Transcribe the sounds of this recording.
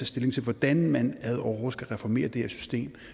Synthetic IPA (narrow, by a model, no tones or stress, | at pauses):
æsd̥e̝le̝ŋt͡sʰe̝lʋɒd̥ænmænæðˠɒʊʁosɡ̥æʁɛfɒme̝̰ːɐd̥e̝heɐsy̥sd̥e̝̰ːm